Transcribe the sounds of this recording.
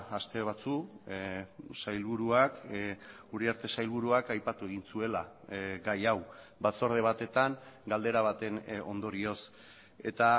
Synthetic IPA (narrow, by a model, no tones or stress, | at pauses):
ast̪e̞β̞at͡su | sajlβuɾuak | uriaɾt̪e̞sajlβuɾuakajpat̪ue̞ɣinsue̞la | ɡajaw | bat͡so̞ɾð̞e̞β̞at̪e̞t̪aŋɡald̪e̞ɾaβ̞at̪e̞no̞̰nd̪o̞ɾio̞s | e̞̰t̪a